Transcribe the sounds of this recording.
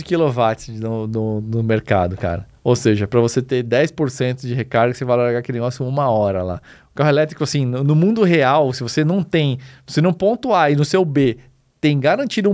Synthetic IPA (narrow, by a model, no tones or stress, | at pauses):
ɪkilovat͡ʃɪ̥nʊnʊnʊmeɾka̰d̪ʊka̰ɾɐ | owseʒɐpɾɐvoset̪ed̪ɛjspoɾsẽnt̪ʊd͡ʒɪɦekaɾɡɐsevajlaɾaɡaɐkelɪneɡɔsjʊũmɐɔɾɐla̰ʊ̥kaɦʊelɛt̪ɾikʊasĩnʊnʊmũnd̪ʊɦeawsɪvosenɐ̃w̃t̪ẽj̃vosenɐ̃w̃põnt̪ʊaɪnʊsewbe | t̪ẽj̃ɡaɾɐ̃nt͡ʃid̪ʊũ